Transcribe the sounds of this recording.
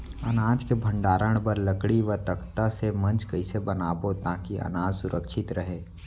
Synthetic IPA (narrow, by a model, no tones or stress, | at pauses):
ɐ̰naːd͡ʒkebʱə̃ɳɖaːɾəɽ̃pəɾləkɽiʋət̪əkt̪asemɐ̃nt͡ʃkɐisebɐnaːbot̪aːkiʔɐ̰naːd͡ʒsʊɾʔəkʃɪt̪ɾəɦeː